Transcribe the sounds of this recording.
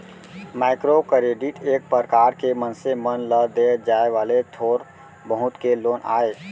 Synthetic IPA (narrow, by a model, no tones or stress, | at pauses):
maɪkɾokəɾeɖiʈeːk̚pəɾkaɾkemənsemənləd̪ed͡ʒaeʋalet̪ʰoɾ | bəɦʊt̪keloːnʔa̰ːe